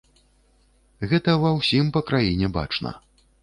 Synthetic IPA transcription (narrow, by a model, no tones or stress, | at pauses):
ɣɛt̪ɐvɐwsʲimpɐkɾajinʲɛba̰t͡ʂnɐ̰